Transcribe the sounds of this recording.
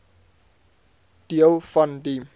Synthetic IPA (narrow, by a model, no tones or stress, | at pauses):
d̥iəlˠfɐndi